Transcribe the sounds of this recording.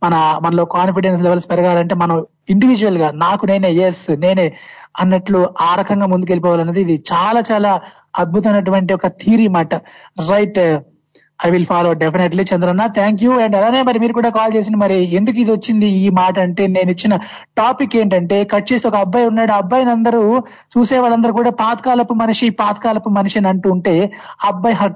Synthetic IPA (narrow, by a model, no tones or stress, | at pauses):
mɐnɐmɐnɐlo̞ːkaːnpiɖens̬lɛʋɐlsi̥pɛɾɐɡaːlɐɳʈe̞ːmɐnɐm | iɳɖiʋid͡ʒuɐlɡaːnaːkune̞ːneːjesne̞ːneːɐnːɐʈluaːɾɐkʰɐŋɡaːmund̪uk̬elipɔːʋaːlɐnːɐd̪iːd̪it͡ʃaːlaːt͡ʃaːlaː | ɐd̪̚bʱut̪ɐmɐjnɐʈ̬uʋɐɳʈ̬iɔkɐt̪ʰiːɾimaːʈɐɾɐjʈ | ɐjʋilpʰaːloːɖepʰineʈlit͡ʃɐnd̪ɐɾɐnːaːt̪ʰaːŋkjuɛɳɖɐlaːne̞ːmɐɾimiːɾukuːɽaːkaːlt͡ʃe̞ːs̬ind̪imɐɾie̞nd̪ukuid̪iʋot͡ʃːind̪iiːmaːʈɐɐɳʈe̞ːne̞ːnit͡ʃːinɐ | ʈaːpikːe̞ːɳʈɐɳʈe̞ːkɐʈ̚t͡ʃe̞ːst̪eɔkɐbːɐjunːaːɽuɐbːɐjnɐnd̪ɐɾu | t͡ʃuːsɛːʋaːɭɐnd̪ɐɾukuːɽaːpaːt̪ɐ̥kaːlɐpːumɐniʂipaːt̪ɐ̥kaːlɐpːumɐniʂɐnɐɳʈuːɳʈe̞ːɐbːɐjɦɐ